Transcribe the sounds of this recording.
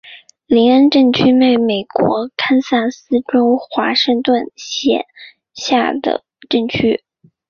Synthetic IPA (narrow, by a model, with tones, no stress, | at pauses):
li˧˥nə˥nʈ͡ʂɤ˥˩ŋt͡ɕʰy˥me˥˩ɪme˨˩ɪkwɔ˧˥kʰa˥nsa˥˩nsɹ̩˥ʈ͡ʂo˥ʊxwa̰˧˥ʂɤ˥˧ŋt̪wə˥˩nɕjɛ̰˨˩˦n | ɕja˥˩d̪ə̰˩ | ʈ͡ʂɤ˥˩ŋt͡ɕʰy˥